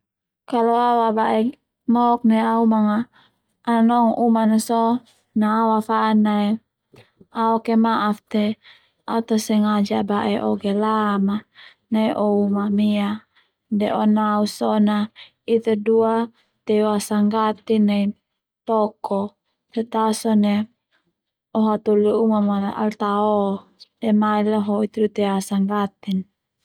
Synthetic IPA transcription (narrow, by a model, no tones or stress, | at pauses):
kaloawabaʔɛ | mɔk̚nɛaumaŋaː | nanɔŋumanasɔ | naːwafaːnaɛ | aɔkemaʔaft̪e | aut̪asɛŋad͡ʒabaʔɛʔɔɡelama | naʔɔumamia | dɛʔɔnausɔna | it̪edua | t̪ɛwasaŋɡat̪inːai | t̪ɔkɔ | t̪et̪asɔne | ɔɦat̪uluumamaa̰lt̪aɔdɛmailaɦɔit̪edut̪ɛwasaŋɡat̪in